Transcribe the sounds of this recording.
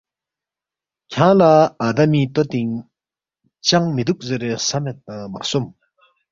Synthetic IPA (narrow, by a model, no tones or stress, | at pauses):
cʰaŋlaad̪amiːt̪ot̪iŋ | t͡ɕaŋmet̪uk̚zeɾesamet̪aŋma̰som